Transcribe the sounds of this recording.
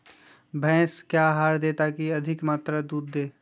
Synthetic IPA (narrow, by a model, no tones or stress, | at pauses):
bʱɛ̃ːskjaːɦaːɾd̪eːt̪akiɐd̪ʱɪkmaːt̪ɾəd̪uːd̪ːeː